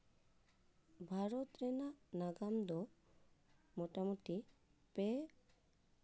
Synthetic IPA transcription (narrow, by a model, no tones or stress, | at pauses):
bʱaɾɔt̪ɾɛnanaɡamd̪ɔ | mɔʈamuʈipɛ